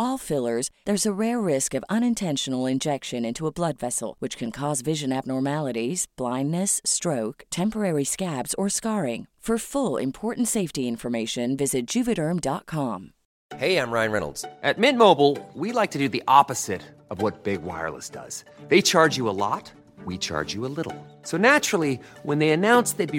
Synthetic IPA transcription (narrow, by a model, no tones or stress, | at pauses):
ɔlˠfɪlˠə˞zðə˞zəɹɛɹːɪskʌvʌ̃ñɨ̃ntʰɛ̃nʃn̩l̩ˠɪ̃nd͡ʒɛkʃɨ̃nɪ̃ntuəblʌdvɛsl̩ˠwɨt͡ʃkʰɨ̃nkʰɔzvɪʒɨ̃næb̚nɔɹmælˠəɾiz̥b̥lãɪ̃nːɨstɹ̥oʊktʰɛ̃mpə˞ɛɹiskæbz̥ə˞skɑɹɪ̃ŋfə˞fʊlˠɪ̰̃mpʰɔɹʔn̩tseɪftiɪ̃ɱfə˞meɪʃɨ̃nvɪzɨt̚d̥ʒ̥ʉpɨɾə˞mdɑt̚kʰɑ̃m | heɪãɪ̃mɹãɪ̃nɹɛ̰nl̩ˠdz̥ʔɨt̚mɪ̃n̚moʊbl̩ˠwilaɪk̚tʰɨdɨðiʔɑpɨz̥ɪɾ | ʌvwʌt̚b̥ɪɡwa̰ɪə̰˞lˠə̰sd̥ʌ̰z̥ | ðeɪt͡ʃʰɑɹd͡ʒɨəlɔ̰t̚ | wit͡ʃʰɑ̰ɹd͡ʒɨəlɪɾl̩ˠsoʊnæt͡ʃɹ̥l̩ˠiwə̃nðeɪɨnãʊ̃nsðeɪd̚bi